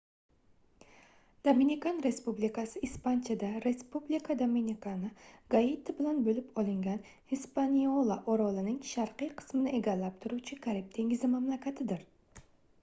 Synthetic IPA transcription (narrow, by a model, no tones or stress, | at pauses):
d̪̥ominikanɾe̞spublikasɪispant͡ʃʰad̪aɾe̞spublikʰad̪ominʲikʰanɪɡ̥ait̪ʰabɪlanbɵlɪpɒlˠɪŋɡʲan | hispaniolˠaʔoɾɒlˠɪnɪŋʃaɾqɨjqʰɨ̥smɪnɪʔe̞ɡʲalːap̚t̪ʰʊɾuwt͡ʃʰɪkʰaɾib̚t̪ʰe̞ŋɡɪzɪmamlakʰʲat̪ʰɪd̪ɪɾ